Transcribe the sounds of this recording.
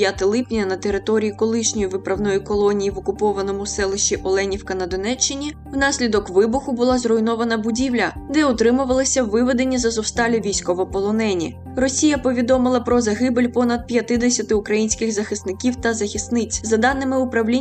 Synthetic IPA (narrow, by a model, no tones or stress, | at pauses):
jat̪ɪlˠɪpnʲɐnɐt̪eɾɪt̪ɔɾʲijikɔlˠɪʃnʲɔjiʋɪpɾɐwnɔjikɔlˠɔnʲijiʋɔkʊpɔʋɐnɔmʊsɛlˠɪʃiʔɔlˠɛnʲiwkɐnɐd̪ɔnɛt͡ʃːɪnʲi | wnɑsʲlʲid̪ɔkʋɪbʊxʊbʊlˠɑzrɔjnɔʋɐnɐbʊdʲiwlʲɐd̪ɛʊt̪ɾɪmʊʋɐlˠɪsʲɐwʋːɪʋed̪e̞nʲːizɐzɔwst̪ɑlʲʊʋʲijsʲkɔʋɔpɔlˠɔnɛnʲḭ | rɔsʲijɐpɔʋʲid̪ɔmɪlˠɐpɾɔzɐɦɪbelʲpɔnɐd̪̚pʲjɐt̪ɪd̪esʲɐt̪ɪʊkɾɐjinʲsʲkɪxzɐxɪst̪nɪkʲiwt̪ɐzɐxʲist̪nɪt͡sʲzɐd̪ɑnɪmɪʊpɾɐwlʲi